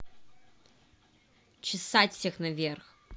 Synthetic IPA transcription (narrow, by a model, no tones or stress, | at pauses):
t͡ʃɪsatʲsʲexnavʲerx